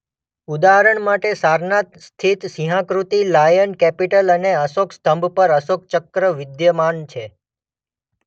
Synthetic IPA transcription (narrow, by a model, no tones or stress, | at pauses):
ud̪aɦɾəɳmaʈesaɾnat̪st̪ʰit̪siɦãkɾut̪ilajənkɛpiʈələneəsokst̪əmbʱpəɾəsok̚t͡ʃəkɾəʋɪd̪jəmant͡ʃʰe